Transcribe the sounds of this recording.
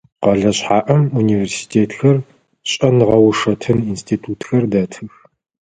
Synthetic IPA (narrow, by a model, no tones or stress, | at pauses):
qɐɮɐɕħaːʔɐmuniːveːrsi̥tʰeːtʰxɐr | ɕʼɐnʁɐwʂɐtʰɨninstʰiːtʰuːtxɐrdɐtʰɨx